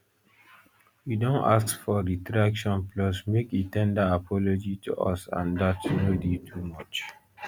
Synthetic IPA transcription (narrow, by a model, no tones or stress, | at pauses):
widõna̰ssfɔɹitɹakʃɔ̃nplɔsmekitɛ̃ndaapʰɔlod͡ʒitʰṵʔɔ̰sã̰ndatɹeditʰumɔt͡ʃ